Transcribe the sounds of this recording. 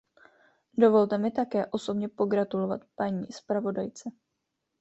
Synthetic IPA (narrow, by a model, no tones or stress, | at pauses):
do̞vo̞lt̪ɛmɪt̪akɛːʔo̞so̞bɲɛpo̞ɡɾat̪ulo̞va̰t̪paɲiːspɾavo̞dajt͡sɛ